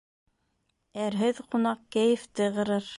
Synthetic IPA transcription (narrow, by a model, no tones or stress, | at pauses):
æɾɦɘðqunɑq̚kæjɘ̆ft̪ɘʁɤ̆ɾɤɾ